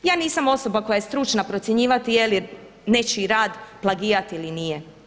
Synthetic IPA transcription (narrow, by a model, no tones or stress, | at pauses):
jaːniːsamo̞so̞bako̞jajest̪ɾut͡ʃnapɾo̞t̪sʲjeɲiːʋat̪ijeli | ne̞t͡ʃiɾaːd̪plˠaɡiːɾat̪iilinije